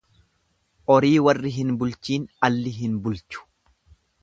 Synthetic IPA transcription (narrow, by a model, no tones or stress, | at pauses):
ʔɔɾiːwɐrːɪɦɪnbʊlt͡ʃiːnɐlːɪɦɪnbʊlt͡ʃʊ̥